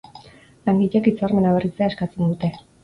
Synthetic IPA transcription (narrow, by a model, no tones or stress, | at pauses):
laŋɡiʎekit͡sarme̞naβerit͡seaeskat͡se̞nd̪ut̪e̞